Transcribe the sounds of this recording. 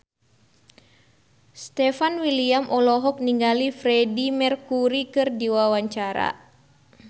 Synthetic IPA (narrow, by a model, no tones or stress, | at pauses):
st̪ɛfanwiliamʔɔlɔɦɔk̚niŋɡalifɾɛdimɛrkuɾikɨrdiwawaɲt͡ʃaɾa̰